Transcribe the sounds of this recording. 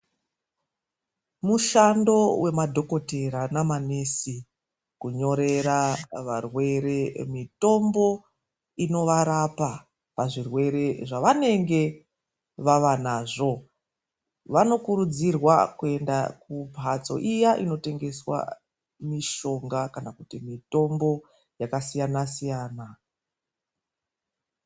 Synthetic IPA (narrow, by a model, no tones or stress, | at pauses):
muʃando̞wʔe̞madʱo̞ko̞te̞ɾanamanesi | kuɲo̞ɾe̞ɾaʋarwe̞ɾe̞mito̞mbo̞ | ino̞ʋaɾapa | paʐirwe̞ɾe̞ʐaʋane̞ŋɡe̞ | ʋaʋanaːʐo̞ | ʋano̞kuɾud͡zirwakue̞ndakubʱat͡so̞̰ʔijaʔino̞te̞ŋɡe̞swa̰ | miʃo̞ŋɡakanakutimito̞mbo̞ | jakasijanasijaːna